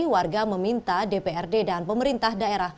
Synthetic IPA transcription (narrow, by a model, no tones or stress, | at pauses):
warɡaməmint̪adepeɛrdedanpəməɾint̪ahdaeɾah